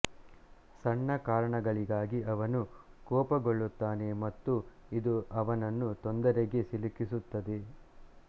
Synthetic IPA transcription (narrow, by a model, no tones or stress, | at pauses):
sɐɳːɐkaːɾɐɳɐɡɐɭiɡaːɡiʔɐʋɐnukɔːpɐɡoɭːut̪ːaːne̞mɐt̪ːuid̪uʔɐʋɐnɐnːut̪ɔnd̪ɐɾeɡe̞silikisut̪ːɐd̪e